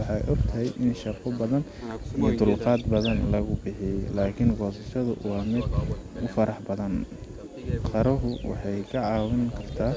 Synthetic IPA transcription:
wɑħɑjʔɔɡt̪ʰɐɦɛjʔɪnʃɑqɔbɐðɐn | ijɔt̪ʊlqɑːd̪bɐðɐnlɐɣʊbɪħɪjɛlaːkʰɪŋɡɔːsɐʃɐðʊ̰wɑːmɪd̪ʊfɐɾɑħbɐðɐn | qɑɾɐɦʊwɑ̰ħɑjkʰɐʕɑːwɪŋkʰɐrt̪ʰaː

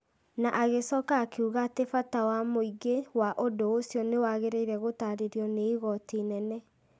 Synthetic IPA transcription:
naʔaɣesɔːkaːkeuɣatefatawamoiɡewaʔodoːsjɔnewaɣeɾeiɾɛɣotaɾeɾjɔneiɣɔtinɛnɛ

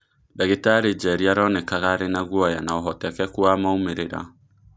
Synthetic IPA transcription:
daɣetaɾed͡ʒɛɾiaɾɔnɛkaɣaɾenaɣwɔjanaoɦɔtɛkɛkwamaomeɾeɾa̰

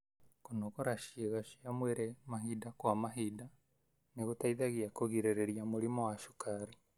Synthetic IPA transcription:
konoɣoɾaʃieɣaʃiamweɾemaɦidakwamaɦida | niɣotaiðaɣiakoɣiɾeɾeɾiamuɾimowaʃu̥kaɾi

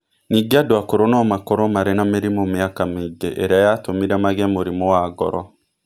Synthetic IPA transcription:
niɡiadwakoɾonɔmakoɾɔmaɾenameɾimomiakamiɡḛʔeɾeajatomiɾɛmaɣɛmoɾimowaːɡɔ̰ɾɔ

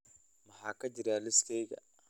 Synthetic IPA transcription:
mɐɦaːkɐd͡ʒɪɾaːlɪst̪ʰɛjɣɐ̰

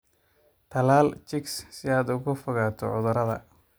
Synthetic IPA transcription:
t̪ʰɐlaːlt͡ʃɪkssɪaːd̪ʊɣʊfʊɣaːt̪ʰɔ̰ʕʊ̰ðʊɾɐðɐ̰

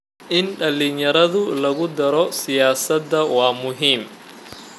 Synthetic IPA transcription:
ʔɪnɖɐlinjɐɾɐðʊlɐɣʊd̪ɐɾɔsɪjaːsɐd̪ːɐwɑːmʊɦiːm

